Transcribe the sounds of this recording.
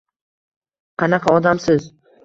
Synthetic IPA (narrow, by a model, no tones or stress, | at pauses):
qʰɑnɑqʰɑɒd̪amsɪz